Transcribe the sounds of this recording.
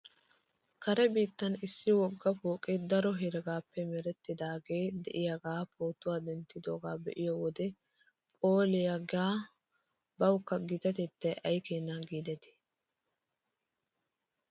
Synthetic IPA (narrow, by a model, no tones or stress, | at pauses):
kɐɾɛbiːt̪ːɐnɪsːɪwɔɡːɐfoːkʼed̪ɐɾɔɦɛɾɛɡaːpːɛmɛɾɛt̪ːɪd̪aːɡe̞ːd̪ɛ̰ʔɪjɐɡaːpʰoːt̪ːʊwaːd̪ɛnt̪ːɪd̪oːɡaːbɛ̰ʔɪjɔwɔd̪ɛ | pʼoːlɪjɐɡaː | bɐwkːɐɡɪt̪ɐt̪ɛt̪ːɐʔɐjkeːnːaɡiːd̪ɛt̪ɪ̥